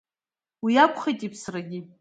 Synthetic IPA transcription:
wijakʷʰʼχejtʼipʰsraɡʲɪ

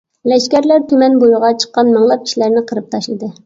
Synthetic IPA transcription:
lɛʃkʲɛɾlæɾt̪ʰymɛnbojʁɑt͡ʃʰə̥qːɑnmɑŋlˠɑp̚kʲi̥ʃilæɾnɪqʰəɾɨp̚t̪ʰɑʃlˠɨd̪ɨ

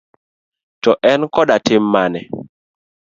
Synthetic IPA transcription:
tɔʔɛnkɔɗatɪmːanɛ

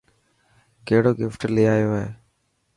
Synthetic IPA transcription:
keːɽoːɡɪfʈlɪːaːjoːɦeː

